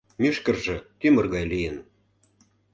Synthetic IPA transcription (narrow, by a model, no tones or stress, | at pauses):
myʃkə̆rʒĕt̪ymə̆rɣɑjlijən